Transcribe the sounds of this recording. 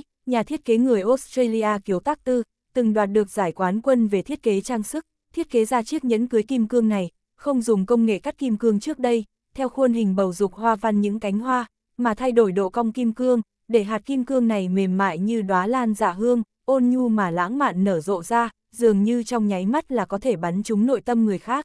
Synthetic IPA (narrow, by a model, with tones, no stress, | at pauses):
ɲaː˨˩i˦˥t̚ke˨˦ŋɨ˨˩əjʔo˦˥tsta˧li˧ʔaː˧ki˨˦əwt̪aː˦˥k̚t̪ɨ˧ | t̪ɨ˨˩ŋɗwaː˨˩t̚ɗɨ˨˩ək̚z̥aː˧˩jkwaː˨˦nkwə˧nve˨˩t̪ʰi˦˥ət̚ke˨˦t͡ɕaː˧ŋsɨ˦˥k̚ | t̪ʰi˦˥ət̚ke˨˦zaː˧t͡ɕi˦˥ək̚ɲə̰˧˥nkɨ˨˦jki˧mkɨ˧əŋna˨˩j | xə˧wŋ͡mzʊ˨˩ŋ͡mkə˧wŋ͡mŋḛ˧˨ka˦˥k̚ːi˧mkɨ˧əŋt͡ɕɨ˦˥ək̚ɗə˧j | t̪ʰɛ˧wxwə˧nhï˨˩ŋ̟ɓə˨˩wzʊ˨˩k͡p̚hwaː˧va˧nɲɨ̰˧˥ŋka˨˦jŋ̟ɦwaː˧ | maː˨˩t̪ʰa˧jɗo˧˩jɗo̰˧˨ka˧wŋ͡mki˧mkɨ˧əŋ | ɗe˧˩ɦaː˨˩t̚ki˧mkɨ˧əŋna˨˩jme˨˩mma̰ː˧˨jɲɨ˧ɗwaː˨˦laː˧nza̰ː˧˨ɦɨ˧əŋ | ʔo˧nɲu˧maː˨˩la̰ː˧˥ŋma̰ː˧˨nːəː˧˩zo̰˧˨zaː˧ | zɨ˨˩əŋɲɨ˧t͡ɕɔ˧wŋ͡mɲa˨˦jma˦˥t̚laː˨˩kɔ˨˦t̪ʰe˧˩ɓa˨˦nt͡ɕʊ˨˦ŋ͡mno̰˧˨jt̪ə˧mŋɨ˨˩əjxaː˦˥k̚